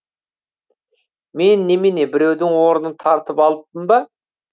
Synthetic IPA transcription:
me̞nːemɪnebɪɾe̞wd̪ɪŋwo̞ɾənənt̪ʰɑɾt̪əpɑlˠəp̚t̪ːəmbɑ

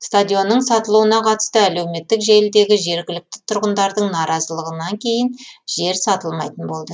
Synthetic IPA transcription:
st̪ad̪ʲijo̞nːəɴsɑt̪əlˠuwənɑqʰɑt̪ə̥st̪əæle̞wme̞t̪ːɪkʒe̞lɪd̪e̞ɡʲɪʒe̞ɾɡʲɪlɪk̚t̪ɪ̥t̪ʰʊɾʁənd̪ɑɾd̪əɴnɑɾɑzəlˠəʁənɑŋkʲʰe̞jɪnʒ̥e̞ɾsɑt̪əlˠmɑjt̪ənbo̞lˠd̪ə

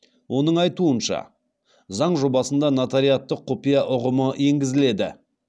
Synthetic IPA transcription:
wʔo̞nəɴɑjt̪uənʃɑ̰ | zɑɴʒo̞bɑsənd̪ɑnat̪aɾijat̪ːəqʰːopijɑʔʊʁəməje̞ŋɡʲɪzɪle̞d̪ɪ̰

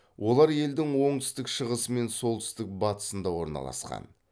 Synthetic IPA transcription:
wʔo̞lˠɑɾje̞ld̪ɪŋwo̞ɴt̪ʏ̥st̪ɪkʃəʁəsəme̞nso̞lˠt̪ʰʏ̥st̪ɪk̚bɑt̪ə̥sənd̪ɑwo̞ɾnɑ̰lˠɑ̰sqɑ̰n

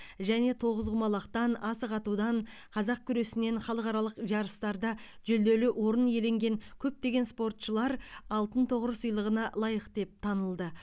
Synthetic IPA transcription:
ʒæne̞t̪ʰo̞ʁəzʁʊmɑlˠɑqt̪ɑnɑsəqɑt̪ud̪ɑɴ | qʰɑzɑq̚kʲʰʏɾe̞sɪne̞ɴχɑlˠəqɑɾɑlˠəqʒɑɾəst̪ɑɾd̪ɑʒʏld̪e̞lɪʔwo̞ɾənje̞le̞ŋɡʲe̞ŋkʲʰɵp̚t̪e̞ɡʲe̞nspo̞rt̪ʃəlˠɑɾɑlˠt̪ənt̪ʰoʁəɾəsəjlˠəʁənɑlˠɑjəqd̪e̞p̚t̪ʰɑnəlˠd̪ə

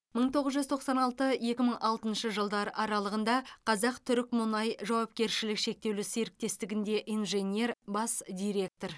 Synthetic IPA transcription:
məɴt̪ʰo̞ʁəzʒʏzt̪ʰo̞qsɑnɑlˠt̪əje̞kʲɪməɴʔɑlˠt̪ənʃəʒəlˠd̪ɑɾəʔɑɾɑlˠəʁənd̪ɑqʰɑzɑqt̪ʰʏɾɪkmʊnɑjʒɑwɑp̚kʲe̞ɾʃɪlɪkʃe̞k̚t̪e̞wlɪseɾɪk̚t̪e̞st̪ɪɡʲɪnd̪e̞ʔijnʒe̞nʲe̞ɾbɑsd̪ʲijɾʲe̞k̚t̪o̞r

